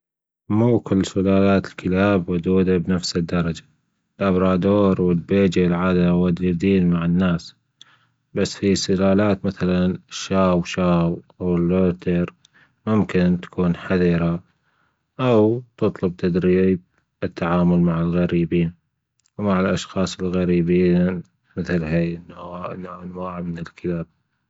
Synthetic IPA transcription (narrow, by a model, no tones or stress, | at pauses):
muːkɪlːsʊlaːlaːt̪ɪlkɪlaːbwʊd̪uːd̪abnafsɪd̪ːɑɾˤɑd͡ʒḁ | lʔabɾˤɑːd̪oːɾwɪlbeːd͡ʒilʕaːd̪awad̪uːd̪iːnmaʕɪnːaːs | basːfisʊlaːlaːt̪maθalanɪʃːaːwʃaːwʔawɪlːoːt̪ʰɪɾ | mʊmkɪnt̪ḁkʰuːnħaðiːɾa | ʔawt̪ɨt̪ˤlʊb̚t̪ʰad̪ɾiːb̚ | ɪt̪ʰːaʕaːmʊlmaʕɪlɣaɾiːbiːn | wmaʕɪlʔɑʃxɑːsˤɪlɣaɾiːbiːn | mɪθlɦajʔɪnːʔnːaɪnwaːʕamɪnɪlkʰɪlab̚